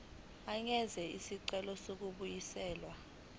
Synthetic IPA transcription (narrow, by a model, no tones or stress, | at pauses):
aŋɛzɛisiǀɛlɔsok̬uɓujisɛːlwa